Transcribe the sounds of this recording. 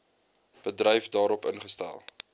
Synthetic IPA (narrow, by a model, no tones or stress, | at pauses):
b̥ədrɛjfdɑːɾɔpə̰nχəstæ̰lˠ